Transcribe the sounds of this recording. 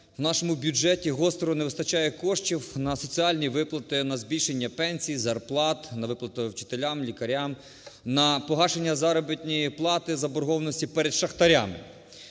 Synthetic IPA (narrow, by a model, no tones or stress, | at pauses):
wnɑʃɔmʊbʲjud͡ʒɛtʲiɦɔst̪ɾɔɔneʋɪst̪ɐt͡ʃajɛkɔʃt͡ʃiwnɐsɔt͡sʲiɑlʲnʲiʋɪplˠɐt̪ɪnɐzbʲilʃenʲːɐpɛnʲsʲijzɐrplˠɑt̪nɐʋɪplˠɐt̪ɔwt͡ʃɪ̥t̪elʲamlʲikɐɾʲam | nɐpɔɦɑʃenʲːɐzɑɾɔbɪt̪ʲnʲijiplˠɑt̪ɪzɐbɔɾɦɔʋnɔsʲtʲipɛɾed̪ʃɐxt̪ɐɾʲamɪ̰